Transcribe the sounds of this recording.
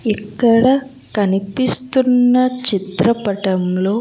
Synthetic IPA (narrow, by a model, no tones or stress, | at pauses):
ɛkːɐɽɐ | kɐnipist̪unːɐt͡ʃit̪ɾɐpɐʈɐmlo̞ː